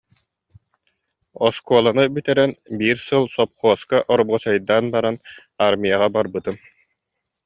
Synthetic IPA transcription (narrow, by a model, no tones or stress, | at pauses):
ɔskuːlˠanɯbyt̪ɛɾɛnbiːɾsɯlˠsɔp̚χuɔskaʔɔɾbʁɔt͡ɕajd̪aːnbaɾan | aɾmʲijaʁabaɾbɯt̪ɯm